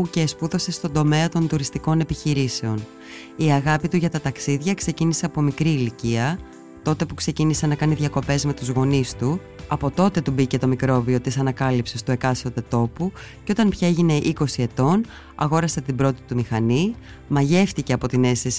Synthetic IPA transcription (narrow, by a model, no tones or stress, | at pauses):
uce̞spuðo̞se̞st̪o̞nd̪o̞me̞ɐt̪o̞nt̪uɾist̪iko̞ne̞piçiɾise̞o̞n | iɐɣɐpit̪uʝɐt̪ɐt̪ɐksiðʝɐkse̞cinise̞ɐpo̞mikɾiːliciɐ | t̪o̞t̪e̞pukse̞cinisenɐkɐniðʝɐko̞pe̞zme̞t̪uzɣo̞nist̪u | ɐpo̞t̪o̞t̪e̞t̪ubice̞t̪o̞mikɾo̞vio̞t̪isɐnɐkɐlipse̞st̪ue̞kɐsot̪e̞t̪o̞pu | ceo̞t̪ɐnpçɐe̞ʝine̞ʔiko̞sie̞t̪o̞n | ɐ̰ɣo̞ɾɐset̪ibɾo̞t̪i̥t̪umixɐni | mɐʝe̞ft̪ice̞ɐpo̞t̪ine̞stes